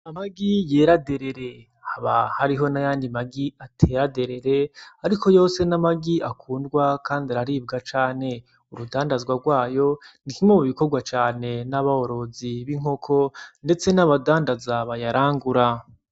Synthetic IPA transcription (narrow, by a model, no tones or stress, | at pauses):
amaɡijeːɾade̞ɾe̞ɾe̞ | haβahaɾiɦo̞najaːndimaɡiatʰe̞ɾade̞ɾe̞ɾe̞aɾikʰo̞jo̞ːse̞namaɡiʔakʰuːndɡwakaːndiaɾaɾiːb̚ɡat͡ʃaːne̞ | uɾudaːndazɡwaɡwaːjo̞nikimomuβikoɾɡwat͡ʃaːne̞naβaho̞ɾo̞ziβiŋ̥o̞kʰo̞nde̞t͡se̞naβadaːndazaβajaɾaːŋɡuɾa